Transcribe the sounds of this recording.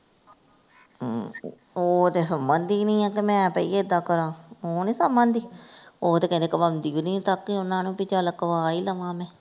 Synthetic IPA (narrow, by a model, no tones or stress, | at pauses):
oːt̪eːsəmbənd̪iːnĩːãːkimɛ̃ːpəiːeɪd̪aːkəɾãːoːnẽːsəmbənd̪iːoːt̪eːkɛ̃nd̪eːkɪbəmd̪iːoːnĩːt̪akːɪʊnːãːnũːpɪt͡ʃaːləkːʋaːiːləʋãːmɛ̃ː